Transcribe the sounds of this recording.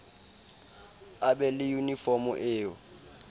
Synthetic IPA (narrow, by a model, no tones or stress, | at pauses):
abɛlɪjunifɔmʊ̰ʔɪːɔ̰